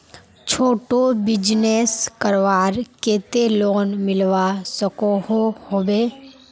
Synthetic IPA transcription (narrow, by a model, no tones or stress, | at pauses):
t͡ʃʰoːʈobɪd͡ʒneskəɾʋaːɾkeːt̪eloːnmɪlʋasəkohohoːbeː